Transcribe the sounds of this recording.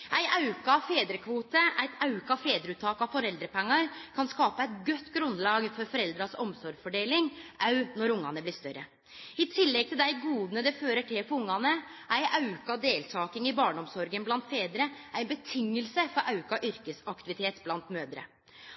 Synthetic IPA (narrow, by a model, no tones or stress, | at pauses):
ʔæɪʔɑʉkɑfeːd̪ɾəkʰʋuːt̪əʔæɪt̪ʰɑʉkɑfeːd̪ɾəʉːt̪ʰːɑːkɑʋfɔɾɛld̪ɾəpɛŋːɑɾkʰɑnskɑːpəæɪt̪ɡœt̪ːɡɾʉnd̪lɑːɡfɔɾfɔɾɛld̪ɾɑsɔmsɔɾfɔɖeːlɪŋʔɑʉnɔɾʊŋːɑnəblɪst̪œɾə | ɪt̪ʰɪlːɛɡ̚t̪ʰɪld̪æɪɡuːd̪nəd̪ɛføːɾəʈʰɪpɔʊŋːɑnə | ʔæɪʔɑʉkɑd̪eːlt̪ʰɑːkɪŋɪbɑːɳɔmsɔɾɡənblɑnt̪feːd̪ɾəʔæɪbət̪ʰɪŋːəlsəfɔɾʔɑʉkɑʔʏɾkəsɑkt̪ɪʋɪt̪ʰeːt̪blɑnt̪møːd̪ɾə̰